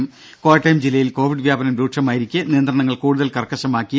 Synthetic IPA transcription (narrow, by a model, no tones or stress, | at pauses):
m | koːjɐʈːɐjmd͡ʑilːɐjilko̞ːʋiɖɨʋjaːbɐnɐmɾuːʈʂɐmaːjiɾikʲːɨnijɐnd̪rɾɐɳɐŋːɐɭkuːɽuðɐlkɐrkːɐɕɐmaːkːij